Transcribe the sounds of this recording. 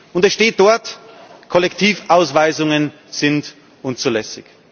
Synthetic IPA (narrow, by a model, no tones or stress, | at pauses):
ʊndɛsʃteːt̚d̥ɔɐtkʰɔlɛktʰiːfʔaʊsvaɪzʊŋən | z̥ɪnt | ʔʊnt͡sulɛsɪç